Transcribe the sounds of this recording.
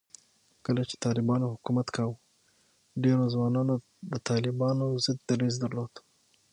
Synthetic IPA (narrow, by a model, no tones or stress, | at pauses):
kəlat͡ʃe̥t̪ɑlɪbɑnohʊkumat̪kʰɑw | ɖeɾozwɑnɑno | d̪ət̪ɑlɪbɑnozɪd̪̚ːaɾezd̪əɾlod̪̥